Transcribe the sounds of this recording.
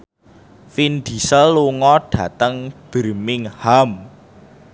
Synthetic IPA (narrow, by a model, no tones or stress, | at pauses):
find̪̥i̤səlːuŋɔɖ̥ä̤t̪əŋb̥ərmɪŋham